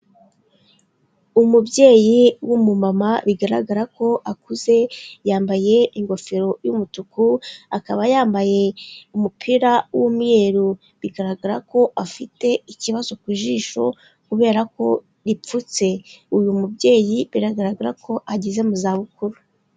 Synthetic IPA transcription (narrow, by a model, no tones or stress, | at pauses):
umubɟe̞ːjiwumumamaβiɡaɾa̰ɡaɾako̞ʔakuze̞jaːmbaje̞iŋɡo̞feɾo̞jumutukuakaβajaːmbaje̞umupʰiɾawumŋe̞ɾu | βiɡaɾaɡaɾako̞ʔafite̞iciβazo̞kuʒiʃo̞ | kuβe̞ːɾako̞ | ɾip͡fut͡se̞ujumubɟe̞ːjiβiɾaɡaɾaɡaɾakʰo̞ʔaɟeze̞muzaːβukuɾu